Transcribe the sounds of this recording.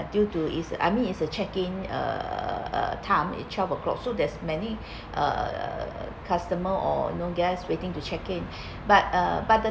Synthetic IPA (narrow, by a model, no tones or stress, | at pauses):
djutuḭsəʔa̰jmĩnitsət͡ʃɛkɪ̃nə̰ | ə̰tʰãmḭt͡ʃavəkʰlɔ̰k̚sodɛsmɛni | ʔə̰ | kʰastəməʔɔ̰noɡaswetĩŋtut͡ʃɛkĩn | bat̚əbat̚də